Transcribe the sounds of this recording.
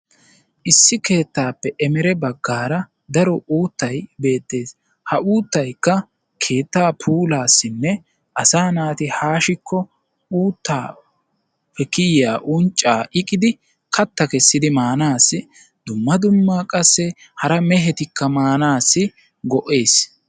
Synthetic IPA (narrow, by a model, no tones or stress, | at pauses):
ʔɪsːɪke̞ːt̪ːaːpːɛʔɛmɛɾɛbɐɡːaːɾɐ | d̪ɐɾɔuːt̪ːɐjbe̞ːt̪ːe̞ːs | hɐʔuːt̪ːɐjkːɐ | kʰe̞ːt̪ːaːpʰuːlaːsːɪnːɛ | ʔɐsaːnaːt̪ɪhaːʃɪkːɔ | uːt̪ːaː | pɛkɪjaːʔʊnt͡ʃʼːaːʔɪkʼɪd̪ɪ | kʰɐt̪ːɐkɛsːɪd̪ɪmaːnaːsːɪ | d̪̥ʊmːɐd̪ʊmːakʼɐsːɛ | hɐɾɐmɛɦɛt̪ɪkːɐmaːnaːsːɪ | ɡɔʔe̞ːs